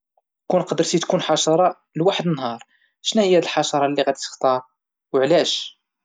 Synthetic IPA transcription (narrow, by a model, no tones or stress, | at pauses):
kunqd̪əɾt̪it̪kunħɑʃɑɾˤɑ | lwaħəd̪ənːɦɑɾˤ | ʃnæhəjːæd̪əlħɑʃɑɾˤɑlːiɣæd̪it̪ə̥xt̪ɑɾˤ | wəʕlæʃ